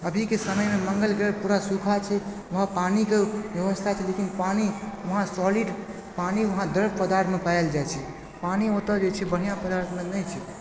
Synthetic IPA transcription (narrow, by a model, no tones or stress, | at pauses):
əbʱikesəməjmeməŋɡəlɡepuɾasukʰat͡ʃʰɛ | ʋəɦãpanikebjəβəst̪ʰat͡ʃʰɛlekinpaniʋəɦãsɔliɖ | paniʋəɦãd̪əɾbʱpəd̪aɾt̪ʰmepaeld͡ʒajt͡ʃʰɛ | paniot̪əd͡ʒet͡ʃʰɛbəɽ̤ijãpəd̪aɾt̪ʰmenɛjt͡ʃʰɛ